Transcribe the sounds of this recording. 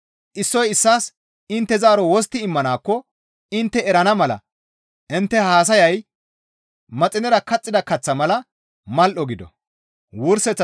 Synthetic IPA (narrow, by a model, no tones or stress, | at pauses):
ʔɪsːɔjɪsːaːs | ɪnt̪ːɛzaːɾɔwɔs̬t̪ːɪɪmːɐnaːkːɔ | ɪnt̪ːɛɛɾɐnɐmɐlɐ̰ | ʔɪnt̪ːɛhaːs̬ɐjɐj | mɐt͡sʼɪnɛɾɐkɐt͡sʼːɪd̪ɐkɐt͡sːɐmɐlɐ | mɐlʔɔɡɪd̪ɔ̰ | wʊɾsɛt͡sːɐ